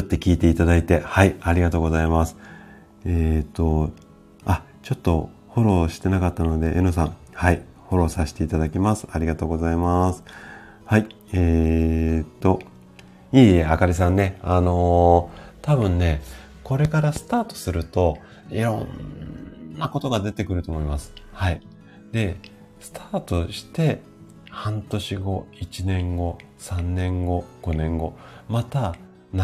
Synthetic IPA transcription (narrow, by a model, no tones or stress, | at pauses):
ot̪ːe̞kʲiːt̪e̞it̪ad̪ait̪e̞haiaɾʲiɡat̪o̞ːɡo̞zaimasɨ̥ | et̪o̞ | a | t͡ɕo̞t̪ːo̞ | ho̞ɾo̞ːɕi̥t̪e̞nakat̪ːano̞d̪e̞ʔenosãɴ̃ | hai | ho̞ɾo̞ːsaɕi̥t̪e̞it̪ad̪akʲimasɨ̥aɾʲiɡat̪o̞ːɡo̞zaimasɨ̥ | hai | eː | t̪o̞ | iːakaɾʲisãnːe̞ano̞ | t̪abɯ̟̃nːe̞ | ko̞ɾe̞kaɾasɨ̥t̪aːt̪o̥sɨɾɯ̟t̪o̞ | iɾõ̞̰nː | ako̞t̪o̞ɡad̪e̞t̪e̞kɯ̟ɾɯ̟t̪oːmo̞imasɨ̥hai | d̪e̞ | sɨ̥t̪ʰaːt̪o̞ɕi̥t̪e̞ | hãnt̪o̞ɕiɡo̞it͡ɕinẽ̞ŋɡo̞ | sãnːẽ̞ŋɡo̞ɡ̥o̞nẽ̞ŋɡo̞ | mat̪a | n